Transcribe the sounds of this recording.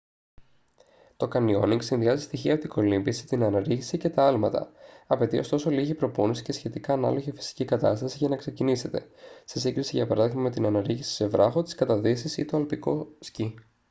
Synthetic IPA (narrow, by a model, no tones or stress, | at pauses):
t̪o̞kɐnio̞̰niŋɡsinðiɐzist̪içiɐot̪iɡo̞limbisit̪inɐnɐɾiçi̥sice̞t̪ɐɐlmɐt̪ɐ̰ɐpe̞t̪io̞st̪o̞so̞liʝipɾo̞ponisi̥ce̞sçe̞t̪ikɐːnɐ̰lo̞ʝefi̥si̥cikɐt̪ɐst̪ɐsiʝɐnɐkse̞cinise̞t̪e̞sesiɡɾisiʝɐpɐɾɐðiɣmɐme̞t̪inɐnɐɾiçisi̥se̞vɾɐxo̞t̪i̥skɐt̪ɐðisisḭt̪o̞ɐlpiko̞̰sci